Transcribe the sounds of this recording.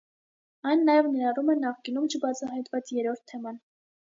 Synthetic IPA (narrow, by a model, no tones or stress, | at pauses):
ɑjnːɑjɛvnɛɾɑrumɛnɑχkinumt͡ʃʰəbɑt͡sʰɑɦɑjt̪vɑt͡sjɛɾɔɾt̪ʰːɛmɑn